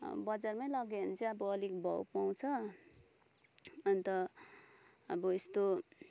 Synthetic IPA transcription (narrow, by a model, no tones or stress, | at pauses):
bʌd͡zarmajlʌɡeʌnt͡sʰiʌbʌːlik̚bʱʌ̰wpaw̃t͡sʰʌ | ʌnt̪ʌ | ʌbʌest̪o